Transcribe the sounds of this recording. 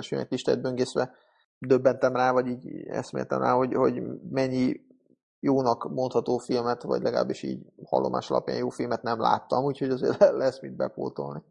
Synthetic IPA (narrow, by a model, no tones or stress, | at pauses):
lʃø̰ːnɛ̰kliʃt̪ɛ̰d̪̚bøŋɡeːsʋɛ | d̪øbːɛnt̪ɛmraːvɒɟiːɟɛ̰smḛːrt̪ɛ̰mra̰ːho̞ɟho̞ɟmɛɲːi | joːnɒkmo̞nt̪hɒt̪oːfilmɛt̪vɒ̰ɟlʔɛɡɒla̰ːbːiʃḭːɟhɒ̰lːomʔa̰ːʃɒ̰lɒ̰pja̰ːnjoːfilmɛt̪nɛmlʔa̰ːt̪ːɒmuːcʰhoɟɒzḛːrɛlɛsmid̪̚bɛ̰po̰ːt̪olni